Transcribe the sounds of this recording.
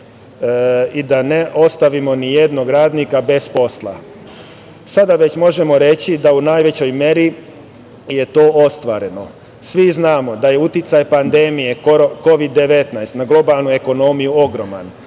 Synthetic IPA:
id̪ane̞ʔo̞st̪aʋimo̞nije̞d̪no̞ɡɾaːd̪nikabe̞spo̞slˠa̰ | sad̪aʋe̞t͡ɕmo̞ʒe̞mo̞ɾe̞t͡ɕid̪aunaːjʋe̞t͡ɕo̞jmje̞ɾi | je̞t̪o̞ːʔost̪ʋaɾe̞no̞ | sʋiznaːmo̞d̪aje̞ut̪it̪sajpand̪e̞mije̞ko̞ʋid̪ːe̞ʋe̞t̪najst̪naɡlˠo̞balˠnue̞ko̞no̞mijuo̞ɡɾo̞ma̰n

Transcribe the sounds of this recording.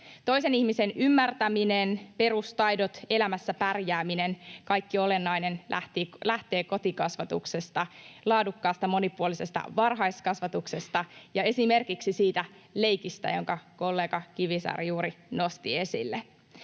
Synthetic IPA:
t̪o̞jse̞nihmisenʔymːært̪æmine̞npe̞ɾust̪ɑjdo̞t̪e̞læmæsːæpærjæːmine̞nkɑjkːio̞le̞nːɑjne̞nlæ̰ht̪ilæht̪e̞ːko̞t̪ikɑsʋɑt̪ukse̞st̪ɑlɑːdukːɑːst̪ɑmo̞nipuolise̞st̪ɑ̰ʋɑrɦɑjst̪kɑsʋɑt̪ukse̞st̪ɑjɑe̞sime̞rkiksisiːt̪æ | le̞jkist̪æ̰jo̞̰ŋkɑko̞lːe̞ːɡ̥ɑkiʋisɑ̰rjuːɾino̞st̪ie̞sḭlːe

